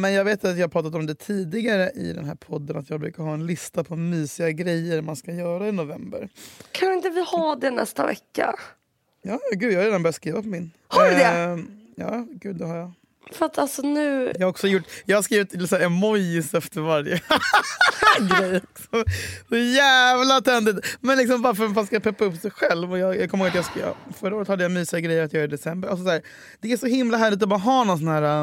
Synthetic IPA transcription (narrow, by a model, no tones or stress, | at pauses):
mɛnjɑːɡveːt̪at̪jɑːhapʰɾɑːt̪at̪ɔmd̪ɛt̪ʰiːd̪ɪɡaɾəʔɪ̰d̪ɛ̰nɦæ̰ːɾpʰɔd̪ːənat̪jɑːɡbɾʉ̟ːkaɾɦɑːɛnlɪst̪apʰɔmyːsɪɡaɡɾɛjːəɾmanskajœːɾaɪnʊvɛ̰mbə̰ɾkʰanɪnt̪əvɪhaɖ̪ɛnɛ̰st̪a̰vɛ̰kːa̰ | jɑːjɡʉ̟ːjahaɾeːd̪anbœɾjaskɾiːvapʰɔmɪn | haɖd̪ɛjɑ̰ːɡʉ̟ːd̪ɛhaɾja | fɾat̪ʰalsɔnʉ̟ːjɑːhaɾɔksɔjʊʈːjɑːhaɾʂskɾiːvɪt̪ɪsæːɾɛmɔjsɛft̪əɾvaɾjə | ɡɾɛjːksɔsɔjæːvlat̪ʰɛnd̪ɪt̪mɛnlɪks̬ɔmvaɾfœɾfaskajapʰɛpːaɵpːsɛjɧɛlvɔjɑːjɑkʰɔmhoːɡat̪jɑhskːfœɾːəoːɾət̪had̪ːəjamyːsɪaɡɾɛjːəɾat̪jɑːɡɪd̪ɛsɛmbəɾals̬ɔsæːɾ | d̪̥ɛæʂɔhɪmlaɦæːɭɪt̪̬ɔbɑːɾaɦɑːnɔnsɔnhæːɾa